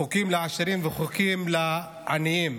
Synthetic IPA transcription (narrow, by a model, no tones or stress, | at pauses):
ukimleaʃaɾimveχukimla | ʔa̰nijim